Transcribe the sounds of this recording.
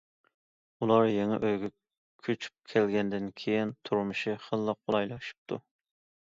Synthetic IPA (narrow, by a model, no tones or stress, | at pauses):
ulˠɑɾjeŋɛ̰ʔøjɡʲɛ | kʲʰøt͡ʃʰy̥p̚kʲʰɛlɡʲɛnd̪ɪnkʲʰejint̪ʰuɾmɨʃiχəlˠːəq̚bolˠɑjlˠɑʃi̥p̚t̪ʰu